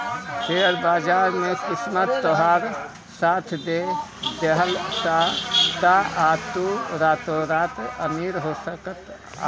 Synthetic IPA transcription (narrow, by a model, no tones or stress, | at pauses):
t̪eɾbaːd͡ʒaɾmekismət̪ːɔɦaɾ | sat̪ʰd̪ed̪eɦəlt̪at̪aʔat̪uɾat̪oɾat̪əmiɾɦosəkət̪ | a̰